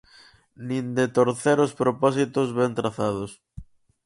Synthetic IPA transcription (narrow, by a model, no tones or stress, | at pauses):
nĩnd̪et̪oɾθɛɾospɾopɔs̬it̪ozβɛnt̪ɾaθaðʊs